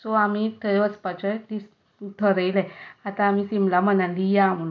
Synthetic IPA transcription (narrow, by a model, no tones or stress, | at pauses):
sɔamit̪ʰəʋət͡spat͡ɕət̪is | t̪ʰəɾəjlɛat̪ãːmisimlam̤ənanlijamun